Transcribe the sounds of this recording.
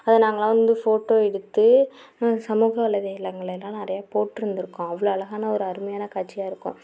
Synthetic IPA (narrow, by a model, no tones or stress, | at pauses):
ɐðɯnaːŋɡɐɭãːʋɐnd̪ɯfoːʈːoːɛɽɯt̪ːɯ | sɐmuːɣɐɐɭɐðɐɪlːɐŋɡɐɭɐlːãːnɪɾɐjaːpoːʈːɪɾɯnd̪ɪɾɯkːʊ̃ɐʋɐɭoɐlɐɣaːnɐɔɾɯɐɾɯmɐjaːnɐkaːʈt͡ʃːɪjaːɪɾɯkːʊ̰̃